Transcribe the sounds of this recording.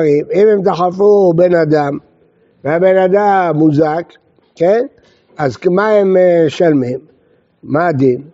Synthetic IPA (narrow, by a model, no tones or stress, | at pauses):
ʁimimhemt̪aχafubenad̪am | veabenad̪amːuzak | ken | azmahemeʃalmimː | aːd̪im